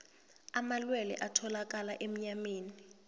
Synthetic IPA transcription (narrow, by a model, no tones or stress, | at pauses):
amalwɛlɛ̰ʔatʰɔlak̬ʼalaʔem̩ɲameːni